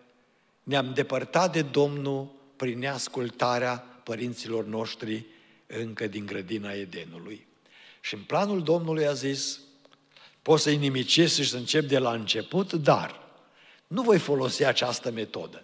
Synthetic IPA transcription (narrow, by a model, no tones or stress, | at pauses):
neamd̪e̞pərt̪at̪̚d̪e̞d̪o̞mnul | pɾinnːeaskult̪aɾeapəɾint̪silo̞rno̞ʃt̪ɾi | ɨŋkəd̪iŋɡɾəd̪inae̞d̪e̞nuluj | ʃiɨnplanuld̪o̞mnulujazis | po̞t̪səjnimit͡ʃisʃisəɨnt͡ʃe̞p̚d̪e̞laɨnt͡ʃe̞put̪d̪a̰r | nuvo̞jfo̞lo̞siat͡ʃast̪əme̞t̪o̞̰d̪ə